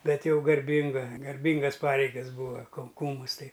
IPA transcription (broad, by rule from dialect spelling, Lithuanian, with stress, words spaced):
ˈbʲɛt ˈjɛʊ ɡɐrʲˈbʲɪŋɡɐ ɡɐrʲˈbʲɪŋɡɐs ˈpɑːrʲɛɪɡɐs ˈbuːʋɐ kɐʊ ˈkuːmʊs ˈtɐɪ